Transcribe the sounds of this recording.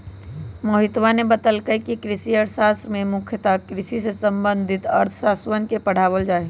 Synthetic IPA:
moɦɪt̪ʋanebət̪əlkəkikɾɪsiəɾsast̪ɾəmẽmʊkʰjət̪akɾɪsisesə̃mbənd̪ʱɪt̪əɾt̪ʰsaswənkepəɽ̤aːwəld͡ʒaːe

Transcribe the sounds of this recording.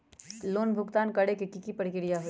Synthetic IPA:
loːnbʱʊɡt̪aːnkɐɽekikikipəɾkɪɾijaɦo

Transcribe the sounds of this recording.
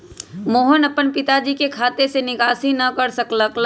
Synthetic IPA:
moːɦənɐpənpɪt̪ad͡ʒiːkekʰaːt̪esenɪkaːsinɐkɐɾsɐkləkl

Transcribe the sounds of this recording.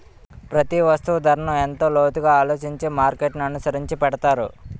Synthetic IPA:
pɾɐt̪iʋɐst̪uʋɐd̪ʱɐɾɐɳɐent̪o̞ːloːt̪uɡaːaːlo̞ːt͡ʃiɲt͡ʃeːmaːɾkeʈniɐnusɐɾiɲt͡ʃipɛɽɐt̪aːɾṵ

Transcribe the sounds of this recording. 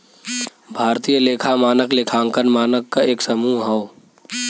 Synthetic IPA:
bʱaːɾt̪ijəleːkʰamaːnəkleːkʰãːŋkənmaːnəkːaeːksəmuːɦɔo

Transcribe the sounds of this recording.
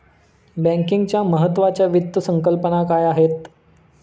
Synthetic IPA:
bæ̃ŋkiŋɡt͡ɕjaməɦət̪ːʋat͡ɕjaʋit̪ːəsəŋkəlpənakajaɦet̪

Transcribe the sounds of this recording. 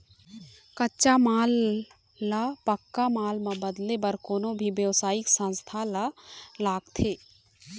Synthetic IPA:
kətːʃamaːlː | apəkːamaːlmãbəd̪lebəɾkoːnõbʱiʋjəʋsaːɪksə̃nst̪ʰalalaːɡt̪ʰeː

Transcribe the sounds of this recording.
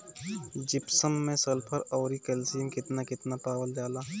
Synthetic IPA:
d͡ʒɪpsəmːẽsɐlpʰəɾɔːɾikɛlsiːmkɪt̪nakɪt̪napaːwəld͡ʒaːlaː

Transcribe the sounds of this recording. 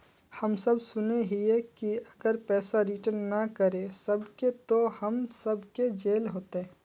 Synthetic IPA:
hɐmsɐbsʊneɦiekiɐɡəɾpɛːsaɾiʈəɾnːɐkəɾesɐbket̪ohɐmsɐbked͡ʒeːlɦoːt̪eɦɛ̃ː

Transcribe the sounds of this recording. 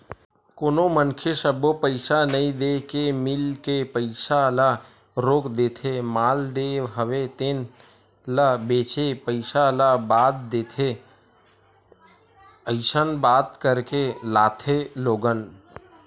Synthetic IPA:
koːnomənkʰesəbopəɪsanəĩd̪ekemɪlkepəɪsala | ɾoːkd̪eːt̪ʰemaːld̪eɦəʋet̪eːn | labeːt͡ʃepəɪsalabaːt̪̚d̪eːt̪ʰe | əɪsənbaːt̪kəɾkelaːt̪ʰeloːɡən

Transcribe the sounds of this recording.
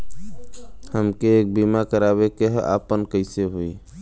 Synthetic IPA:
həmkeːk̚bimakəɾaβekeɦʔa̰pənkəɪseɦui

